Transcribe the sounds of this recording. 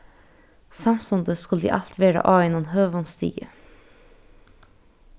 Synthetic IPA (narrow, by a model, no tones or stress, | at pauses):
sɑmsɔnd̪əskʉld̪ḭːʔɑlt̪ʰʋæːɾɑ̰ʔɑːʋɪnɔnhøːʋɔnst̪ḭːɡə